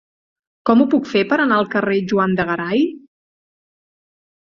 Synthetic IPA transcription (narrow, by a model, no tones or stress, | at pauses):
kɔmupukfepəɾənaəlˠkəreʒuand̪əɣəɾaj